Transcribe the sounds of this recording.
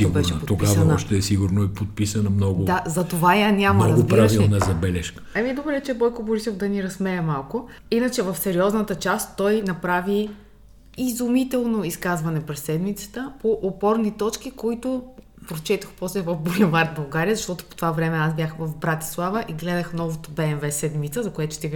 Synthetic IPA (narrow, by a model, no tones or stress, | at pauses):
siɡbɛɾʃʃɛopot̪opɡiavsɐnɔʃt̪ɛːsiɡʊɾnoipot̪̚pisɐnɐmnɔɡʊd̪azɐt̪ovajanʲamɐɾɐzɡobpɾiaviɛnɛzɐbɛlɛʃkə̥ɐmid̪obɾɛɛt͡ʃɛbɔjkoboɾisovd̪ɐniɾɐsmɛjɐmalˠkʊ | inət͡ʃɛvɐfsɛɾiɔznɐt̪ət͡ʃast̪ːɔjnɐpɾavi | izumit̪ɛlˠnoiskazvɐnɛpɾɛsːɛd̪mit̪sə̥t̪əpoʔopɔɾnit̪ɔt͡ʃk̟ikoit̪ʊ | pɾot͡ʃɛt̪ɐxpɔslɛvɐfbulʲɛvaɾd̪̚bɐlˠɡaɾiəzɐʃt̪ɔt̪ʊ̥po̥t̪ovavɾɛmɛasbjaxvɐfbɾat̪i̥slˠavəʔiɡlɛd̪əxnɔvot̪obɛːnvɛsɛd̪mit̪səzɐkojɛt̪ʊ̥t̪iv